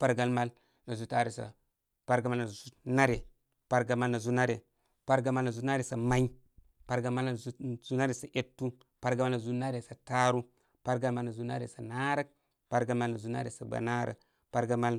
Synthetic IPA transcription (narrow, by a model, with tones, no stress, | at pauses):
pa˦ɾɡa˦lma˦l | na˨zu˦ta˦ɾi˨sa̰˨ | pa˦ɾɡa˨ma˦lna˨zu˦na˦ɾe˨ | pa˦ɾɡa˨ma˦lna˨zu˦na˦ɾe˨ | pa˦ɾɡa˨ma˦lna˨zu˦na˦ɾe˨sa˨ma˦i˦ | pa˦ɾɡa˨ma˦lzu˦na˦ɾe˨sa˨ʔe˦tːu˦ | pa˦ɾɡa˨ma˦lna˨zu˦na˦ɾe˨sa˨ta˦ɾu˦ | pa˦ɾɡa˦lma˦lna˨zu˦na̰˦ɾḛ˨sa˨na˦ɾə˦k̚ | pa˦ɾɡa˦lma˦lna˨zu˦na̰˦ɾḛ˨sa˨ba̰˨na˦ɾə̰˦k | pa˦ɾɡa˦ma˦l